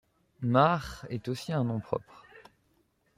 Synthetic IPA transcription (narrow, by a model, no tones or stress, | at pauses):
maʁɛt̪osiɛ̃nɔ̃pχɔ̰pχ